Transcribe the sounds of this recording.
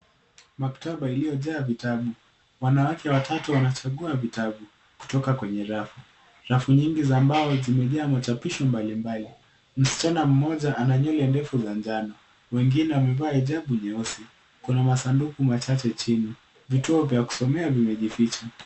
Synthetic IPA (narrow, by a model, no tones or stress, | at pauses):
maktaɓailijɔʄaːvitaɓu | wanawakɛwatʰatuwanat͡ʃaɠuavitaɓu | ku̥tɔkakwɛɲɛɾafu | ɾafuɲiŋɡizambaɔzimɛʄaːmat͡ʃapiʃɔmbalimbali | m̩si̥t͡ʃanam̩mɔʄaʔanaɲɔlɛndɛfuzand͡ʒanɔ | wɛŋɡinɛwamɛvaːiʄaɓuɲɛɔsi | kunamasandukumat͡ʃat͡ʃɛt͡ʃini | vituɔvjaku̥sɔmɛavimɛʄifit͡ʃa